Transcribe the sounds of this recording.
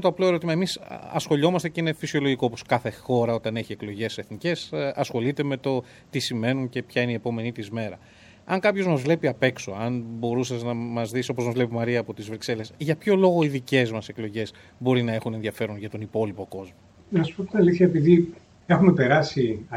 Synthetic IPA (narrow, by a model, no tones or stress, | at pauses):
t̪oɐplo̞e̞ɾo̞t̪imɐe̞misɐ̰sxo̞ʎo̞mɐst̪eceinefisio̞lo̞ʝiko̞oposkɐθe̞xo̞ɾɐo̞t̪ɐne̞çie̞klo̞ʝe̞se̞θnice̞sɐsxo̞lit̪e̞me̞t̪o̞ | t̪isime̞nunce̞pçɐineiepo̞me̞nit̪izme̞ɾɐ | ɐŋkɐpço̞zmɐzvle̞piɐpe̞kso̞̰ɐnbo̞ɾusɐznɐmɐzðiso̞pozmɐzvle̞pimɐɾiɐːpo̞t̪izvɾikse̞le̞sʝɐpço̞lo̞ɣo̞iðice̞zmɐse̞klo̞ʝe̞z | bo̞ɾinɐexune̞nðiɐfe̞ɾonʝɐt̪o̞nipo̞lipo̞ko̞zmo | nɐsu̥pot̪inɐliθçɐepiði | exume̞pe̞ɾɐsi